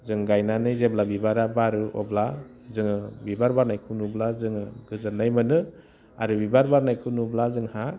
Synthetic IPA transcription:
zɯŋɡajnanɯjzeblabibaɾabaɾɯɔbla | zɯŋɯbibaɾbaɾnajkʰɯwnublazɯŋɡɯzɯnːajmɯnɯ | aɾɯbibaɾbaɾnajkʰɯnublazɯŋha

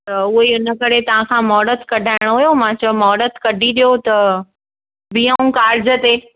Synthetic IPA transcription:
t̪ɐʊɦiʊnə̆kɐɾet̪ɐʋ̤ãkʰãːmɔːɽət̪kɐɖʱaːɪɽ̃oɦujomãt͡ɕɐmɔːɽət̪ʰkɐɖʱiɗijot̪ɐ | bijãũkaːɾɪd͡ʑət̪eː

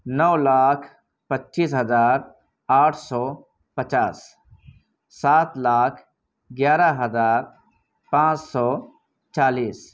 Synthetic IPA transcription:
nɔːlaːkʰ | pətːʃiːsɦəzaːɾ | aːʈʰsɔː | pət͡ʃaːs | saːt̪laːkʰ | ɡjaːɾəɦəzaːɾ | pãːt͡ʃsɔː | t͡ʃaːliːs

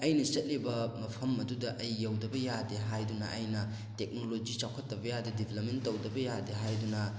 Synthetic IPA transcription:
ɐjnɐt͡ʃɐt̚libɐmɐpʰɐmɐdudɐʔɐjːɐwdɐbɐjadeɦajdunɐ̰ʔɐjnɐ | tek̚nolod͡ʒit͡ʃawkʰɐtːɐbɐjadedibʱelɐp̚mentːɐwdɐbɐjadeɦajdunɐ

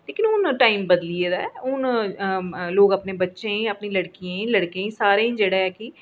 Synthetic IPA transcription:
leːkɪnʊnʈaːimbəd̪lieːd̪aːɛʊn | loːɡəpnẽːbətːʃẽəpnẽːləɽkijẽːləɽkẽːsaːɾeːĩːd͡ʒeːɽaːɛːkɪ

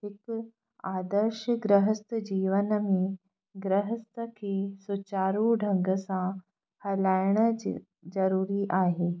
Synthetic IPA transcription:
ik | ad̪əɾɕəɡɾəɦəst̪əd͡ʑiːʋənəmi | ɡɾəɦəst̪əkʰisut͡ɕaːɾuːɖʱəŋɡəsã | hɐlajɳə | d͡zɐɾuːɾiːʔaːɦe

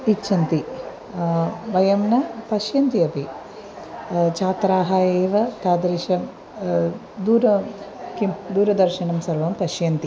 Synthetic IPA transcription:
itːt͡ʃʰːɐnt̪i | ʋɐjɐmnɐpɐʃjɐnt̪iɐpi | t͡ʃaːt̪ɾaːɦaːjeːʋɐt̪aːd̪ɾiʃɐm | d̪uːɾɐ | kimd̪uːɾɐd̪ɐɾʃɐnɐmsɐɾʋɐmpɐʃjɐnt̪i

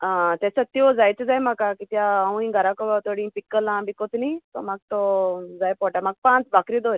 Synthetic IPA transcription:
ãt̪esət̪iod͡zajt͡sed͡zaːjmakakit̪jãaũĩɡʱəɾakobat̪ʰoɽĩːpikːəlãbikot̪nit̪o̰maɡ̚t̪od͡zajpoʈamaɡ̚pãːt͡sbʱakɾid̪oɾʲ

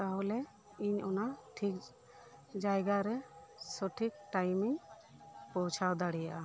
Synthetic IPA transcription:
t̪aɦɔlɛ | iɲɔnaʈʰik̚ | d͡ʒajɡaɾɛsɔʈʰik̚ʈajmiɲ | pɔt͡ʃʰawd̪aɽijaʔa

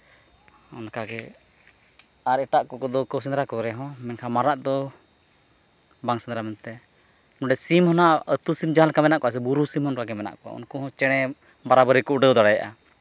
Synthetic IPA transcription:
ɔnakaɡɛ | aɾɛʈaʔkɔkɔd̪ɔkəwsɛnd̪ɾakɔɾɛɦɔ̃mɛnkʰamaɾaʔd̪ɔ | baŋsɛnd̪ɾamɛnt̪ɛ | nɔɖɛsimhɔnaʔət̪usimd͡ʒaɦalkamɛnaʔkɔʔas̬ɛbuɾusimhɔnkaɡɛmɛna̰ʔkɔa̰ṵnkɔhɔ̃t͡ʃɛɽ̃ɛ | baɾabəɾikuʔɖəwd̪aɽajaʔa

